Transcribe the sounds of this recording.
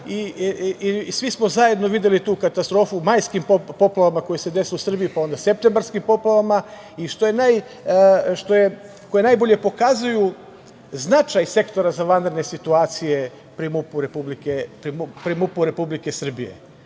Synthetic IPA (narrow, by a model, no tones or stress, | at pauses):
i | sʋismo̞zaje̞d̪no̞ʋid̪je̞lit̪uːkat̪ast̪ɾo̞ːfumajskimpopo̞plaʋamako̞jese̞d̪e̞siusr̩bijipao̞nd̪ase̞p̚t̪e̞mbaɾskimpo̞plˠaʋama | iʃt̪o̞jenaj | ʃt̪oje | kojenajbo̞ʎe̞po̞kazuju | znat͡ʃajse̞kt̪o̞ɾazaʋand̪ɾed̪nesit̪uaːt̪sije̞ | pɾimupuɾepublikepɾimpɾimupuɾe̞publikesr̩bijḛ